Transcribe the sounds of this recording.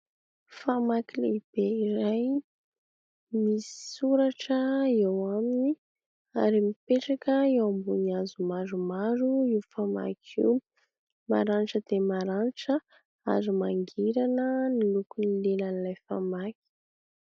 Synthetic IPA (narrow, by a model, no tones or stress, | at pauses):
famakilḛib̥eiɾaj | misi̥suɾaʈ͡ʂəewamini | aɾimipeʈ͡ʂakəewambuniazumaɾumaɾuiwfama̰kʰḭw | ma̰ɾaniʈ͡ʂəd̪̥emaɾaniʈ͡ʂə | a̰ɾimaŋɡiɾanənilukunilelanilajfamaki̥